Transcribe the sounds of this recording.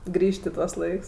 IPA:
ˈɡrʲiːʃʲtʲ ɪ ˈtuɔs ˈlˠɐɪks

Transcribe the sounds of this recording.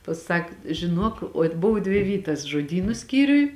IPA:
pɐˈsɐk ʒʲɪˈnuɔk oːtʲ ˈboːw dʲʋʲɪ ˈʋʲiːtɐs ʒoːˈdʲiːnʊ ˈsʲkʲiːrʲʊj

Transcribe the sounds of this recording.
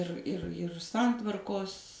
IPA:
ɪr ɪr ɪr ˈsɐntʋɐrkoːs

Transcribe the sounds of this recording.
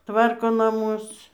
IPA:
ˈtʋɐrkoː nɐˈmʊs

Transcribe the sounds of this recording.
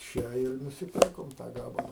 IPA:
ˈt͡ʃʲɛ ɪr nʊsʲɪˈpʲɪrkoːm tɑː ˈɡɑːbɐlˠɐ

